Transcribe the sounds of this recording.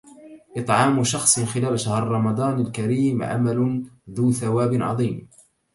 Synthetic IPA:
ʔɨt̪ˤʕɑːmʃɑxsˤxɪlaːlʃahɾɾˤɑmɑd̪ˤɑːnalkaɾiːmʕa̰malʊðuːθawaːbɪnʕɑ̰ðˤiːm

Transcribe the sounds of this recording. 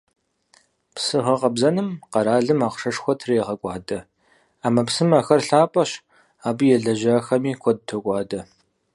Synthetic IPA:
psɨʁɐqɐbzɐnɨmqɐɾaːɮɨmaːqʂɐʂxʷɔtʰreːʁɐkʷʼɑːdɐ | aːmɐpsɨmɐxɐrɬaːpʼɐɕ | aːbɨjɛɮɐʑɐxɐmiːkʷʰɔd̚tʰokʷʼɑːdɐ

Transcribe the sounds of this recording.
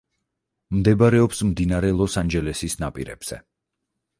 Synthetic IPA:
md̪ɛbaɾɛɔpsmd̪inaɾɛlˠɔsand͡ʒɛlɛsisnapʼḭɾɛ̰b̥z̥ɛ̰

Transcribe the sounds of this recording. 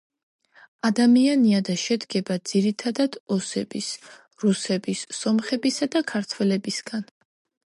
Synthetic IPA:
ad̪amianiad̪aʃɛd̪ɡɛbad̪ziɾit̪ʰad̪ad̪̥ɔsɛb̥is | ɾusɛbisːɔmχɛbisad̪akʰaɾt̪ʰwɛlɛbisɡan

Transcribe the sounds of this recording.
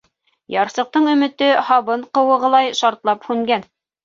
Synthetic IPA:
jɑɾsɤ̆q̚t̪ɤɴɵ̆mɘ̆t̪ɘhɑβɤɴqɤ̆wɤ̆ʁɤ̆lˠɑjʃɑɾt̪lˠɑphʉŋɡæn

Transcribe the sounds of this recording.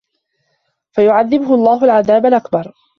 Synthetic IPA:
fajʊʕaðːɪbʊɦʊɑlˤːɑːɦʊlʕaðaːbalʔakbɑɾˤ

